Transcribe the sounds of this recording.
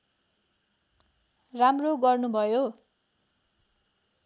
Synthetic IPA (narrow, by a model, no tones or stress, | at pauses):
ramroɡʌrnubʱʌjo